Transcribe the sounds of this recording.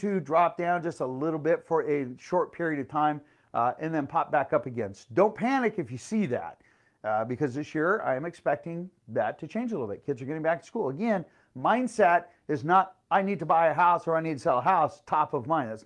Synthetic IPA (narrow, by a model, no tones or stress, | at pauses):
tʰɨdɹɑp̚d̥ãʊ̃nd͡ʒʌstəlɪɾl̩ˠbɪtfə˞ʔɨʃɔɹt̚pʰɪɹiɨɾʌv̥tʰãɪ̃m | ɨ̃nðɨ̃npʰɑp̚b̥ækʌpɨɡɛ̃nsdõʊ̃npʰænɨkɨfjɨsiðæ̰t̚ | bɨkʰʌzðɪsjɪɹã̰ɪɨ̃mɨkspɛk̚tɪ̃ŋðɨtʰɨt͡ʃʰẽɪ̃nd͡ʒlɪɾl̩ˠbɪt̚kʰɪdzə˞ɡɛɾ̃ɪ̃ŋbæk̚tʰə̥skulˠəɡɛ̃n | mãɪ̃ndsɛɾ | ɨznəɾ | aɪnid̚tʰəbaɪɨɦaʊsə˞aɪnid̚tʰɨsɛlˠəɦaʊstʰɑpʌvmãɪ̃nðæts